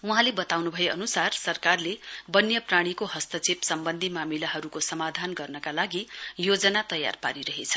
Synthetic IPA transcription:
uɦãlebʌt̪awnubʱʌeʌnusarsʌrkarlebʌnjʌpraɽ̃ikoɦʌst̪ʌt͡sipsʌmbʌnd̪ʱimamilaɦʌɾukosʌmad̪ʱanɡʌrnʌkalaɡijod͡zʌnat̪ʌja̰rpa̰ɾiɾʌɦet͡sʰʌ̥

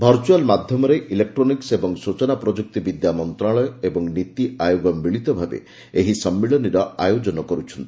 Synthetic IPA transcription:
bʱɔɾt͡ʃualmad̪ʱjɔmɔɾeʔilek̚ʈɾoniksebɔŋsut͡ʃɔnapɾɔd͡ʒuk̚t̪ibid̪jamɔnt̪ɾaɭɔjɔebɔŋnit̪iajoɡɔmːiɭit̪ɔbʱabḛ | eɦisɔmːiɭɔniɾɔa̰jod͡ʒɔnɔkɔɾut͡ʃʰɔnt̪i̥

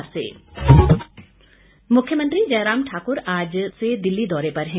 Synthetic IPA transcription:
ɾsḛː | mʊkʰːjəmə̃nt̪ɾid͡ʒɛːɾaːmʈʰaːkʊɾaːd͡ʒsed̪ɪlːid̪ɔːɾepɐɾɦɛ̃

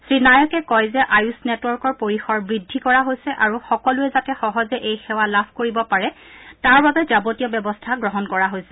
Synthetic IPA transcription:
sɹinajɔkɛkɔjzɛʔajusnɛtwɔɹkɔɹpoɹixɔɹbɹidʱːikɔɹaɦojsɛʔaɹuxɔkɔlʊɛzatɛxɔɦɔzɛʔejxɛwalabʰʱkoɹibɔpaɹɛtaɹbabɛzabotijɔbjɔbɔstʰaɡɹɔɦɔnkɔɹaɦojsɛ

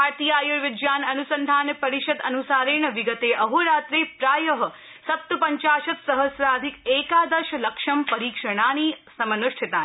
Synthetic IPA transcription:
aɾt̪ijaːjuɾʋɪd͡ʒjaːnɐnusənd̪ʱaːnpɐɾiʃɐd̪ɐnusaːɾiɳəʋiɡət̪eʔɐɦuɾaːt̪ɾepɾaːjɐɦɐ | sɐp̚t̪upɐɲt͡ʃaːʃɐt̪sɐɦəsɾaːd̪ʱikeːkaːd̪ɐʃlɐkʃɐmpɐɾiːkʃəɽ̃aːnisɐmɐnuʂʈʰit̪aː

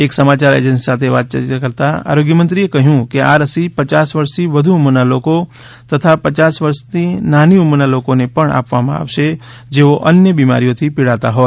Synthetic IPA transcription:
eksəmat͡ʃaɾḛd͡ʒə̃nsi̥sat̪ʰeʋat̪̚t͡ʃəɾt̪kəɾt̪aa̰ɾoɡjəmə̃nt̪ɾiekəɦjũkeaɾəsipət͡ʃasʋəɾst̪iʋəd̪ʱuumənaloko | t̪ət̪ʰapət͡ʃasʋəɾst̪inaniumnalokonepəɳa̰pʋamã̰a̰ʋʃe | d͡ʒeʋoʔənjəbima̰ɾijot̪ʰipiɽat̪aɦɔ

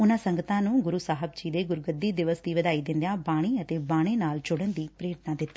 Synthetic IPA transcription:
ʊnãːsə̃ŋɡət̪ãːnũːɡʊɾusaːɦəb̚d͡ʒiːd̪eːɡʊɾɡəd̪ːiːd̪ɪʋəsd̪iːʋəd̪aːiːd̪ɪ̃nd̪jãːbaːɽ̃iːət̪eːbaːɽ̃eːnaːld͡ʒʊɽənd̪iːpɾeːʈnaːd̪ɪt̪ːaː

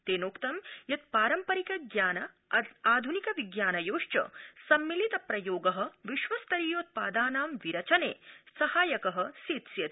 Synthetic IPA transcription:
t̪eːnoːkt̪ɐmjɐt̪̚paːɾɐmpɐɾikɐɡjaːnɐ | aːd̪ʱunikɐʋiɡjaːnɐjoːʂt͡ʃɐ̰sɐmːilit̪ɐpɾɐjoːɡɐɦɐ̆ʋiʃʋɐst̪ɐɾiːjoːt̪̚paːd̪aːnaːmʋiɾɐt͡ʃɐneːsɐhaːjɐkɐɦɐ̆siːt̪sjɐt̪

